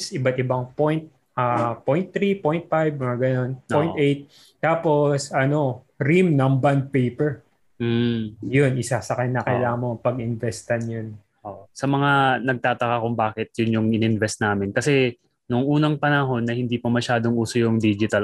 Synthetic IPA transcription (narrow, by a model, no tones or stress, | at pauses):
sʔɪbɐt̪ɪbɐŋpojnt̪̚ | apojnt̪ːɾipojnt̪̚fajbɡɐno̞npojnʔejt̪̚ː | aːpo̞sɐno̞ | ɾimnɐmband̪̚pejpɛɹ | m̩jonʔɪsasɐkɐnːɐkɐlaːmopɐɡɪnvɛst̪ɐnjʊn | ʔoʔsɐmɐŋanɐɡ̚t̪aːt̪ɐkakʊŋbaːkɪt̪̚jʊnjʊŋɪnɪnvɛst̪̚naːmɪnkɐsɛ | nʊŋʔuːnɐŋpɐnɐɦo̞nːɐhɪnd̪iːpɐmɐʃaːd̪o̞ŋʔuːsojʊŋd̪iːd͡ʒɪt̪ɐl